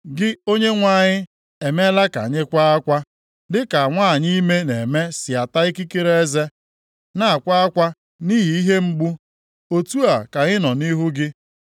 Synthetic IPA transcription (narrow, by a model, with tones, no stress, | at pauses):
ɡɪ˦o˦ɲe˦ŋʷa˨ɲɪ˦ | e˨me˦la˦ka̰˨ɲɪ˦kʷa˦a˦kʷa˦ | dɪ˦ka˨a˨ŋʷa˦˨ɲi˦me˦ne˨me˦sɪ˨a˨ta˦ɪ˦ki˦ke˦ɾe˦e˦ze˦ | na˦a˨kʷa˦a˦kʷa˦ | ni˦ɦi˨i˦ɦe˦ŋ͡m̩˦ɡ͡bu˦ | o˦tu˦a˨ka˨ɲɪ˦nɔ˨ni˦ɦu˦ɡɪ˦